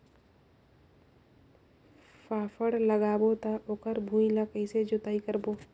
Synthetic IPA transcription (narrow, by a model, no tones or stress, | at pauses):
faːfəɽləɡaːbot̪aʔoːkəɾbʱũːilakəised͡ʒʊt̪aːikəɾboː